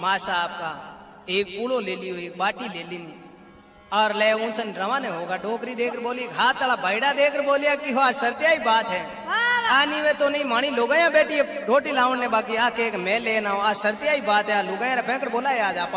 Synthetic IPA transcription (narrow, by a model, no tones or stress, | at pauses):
maːʃaːp̚ka | eːk̚puːloleːlijoeːk̚baːʈileːlini | ɔːɾlɛːũːt͡ʃənɾəʋaneɦoːɡaɖoːkɾid̪eːkəɾboːlieːkaːtt̪ːɐlabʱəɪɽad̪eːkəɾboːlijakiɦoaːsəɾt̪ijaːibaːt̪ɦɛː | aːniʋẽt̪onɐɦĩmaːɽ̃ĩloːɡaːjãbeːʈieɾoːʈilãːʋnẽbaːkiaːkeːkmɛ̃ːleːnaːɦoaːsəɾt̪ɪjaːibaːt̪ɦɛaloɡajãɾepɛ̃ːkəʈboːlaeaːd͡ʒaːpː